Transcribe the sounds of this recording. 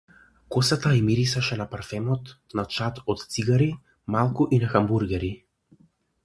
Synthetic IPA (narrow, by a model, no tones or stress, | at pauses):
kɔsat̪aimiɾisaʃɛnapaɾfɛmɔt̪nat͡ʃat̪ɔt̪t̪siɡaɾi | malˠkuʔinaxambuɾɡɛɾi